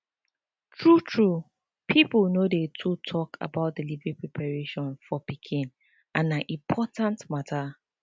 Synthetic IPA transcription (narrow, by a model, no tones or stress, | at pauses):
tʰɹutʰɹu | pʰiplnodetʰutʰɔkʰa̰baʊt̚delivĩpɹɛpʰaɹeʃɔ̃nfɔpikʰĩn | ãnãʔĩmpʰɔtãntmatʰa